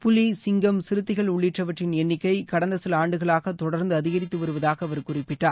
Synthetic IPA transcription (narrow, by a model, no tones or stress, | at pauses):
pʊlisɪŋɡɐmsɪɾɯt̪ːɪɣɐɭʊɭːɪʈrɐʋɐʈrɪnɛnːɪkːɐɪkɐɽɐnd̪ɐsɪlaːɳɖɯɣɐɭaːɣɐt̪ɔɽɐɾnd̪ɯɐðɪɣɐɾɪt̪ːɯʋɐɾɯʋɐðaːɣɐɐʋɐɾɯkːʊrɪpːɪʈːaːɾ